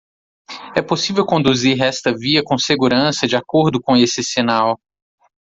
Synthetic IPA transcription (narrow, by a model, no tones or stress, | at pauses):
ɛposivewkõnd̪uziɾɛst̪ɐviɐkõseɡuɾɐ̃sɐd͡ʒɪakoɾd̪ʊkõesɪsinaw